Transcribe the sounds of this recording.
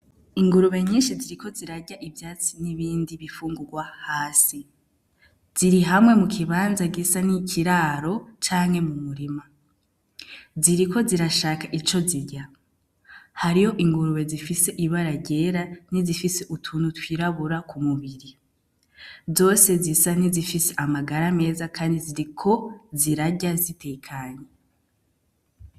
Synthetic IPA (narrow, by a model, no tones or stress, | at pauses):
iŋɡuɾuβe̞ɲiːnʃiziɾiko̞ziɾaɟaʔibjaːt͡siniβiːndiβifuːŋɡuɡwahaːsi | z̥iɾiɦamwe̞mukʰiβaːnzaɡisanicʰiɾaːɾo̞t͡ʃaːŋ̥he̞mummuɾima | ziɾiko̞ziɾaʃaːkaʔit͡ʃo̞ziɟa | haɾiho̞ʔiŋɡuɾuwe̞zifise̞ʔiβaɾaɟe̞ːɾanizifise̞ʔutʰuːnutwiːɾaβuɾakumuβiɾi | zo̞ːse̞zisanizifise̞ʔamaɡaɾame̞ːzakʰaːndiziɾikʰo̞ziɾaɟazitʰeːkʰaːɲe